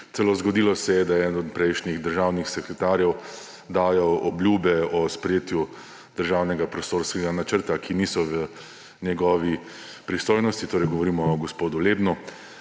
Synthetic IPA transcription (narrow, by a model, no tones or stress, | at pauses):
t̪sɛlozɡɔd̪ilɔsɛjɛd̪aɛd̪nɔd̪̚pɾɛjʃniɣd̪əɾʒaːwnixsɛkɾɛt̪aːɾjɛw | d̪aːjɔɔblʲjuːbɛɔspɾɛjeːt̪ju | d̪̥əɾʒaːwnɛɡapɾɔst̪oɾskɛɡanat͡ʃəɾt̪akʰiniːsɔʋə | nʲjɛɡɔːʋi | pɾist̪oːjnɔst̪it̪oːɾɛjɡɔʋɔɾiːmɔɡɔspoːd̪uleːbnu